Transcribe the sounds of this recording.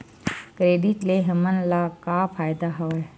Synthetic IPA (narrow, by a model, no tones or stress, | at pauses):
kɾeːɖiʈleɦəmənlakapʰaːjd̪aɦɐʋa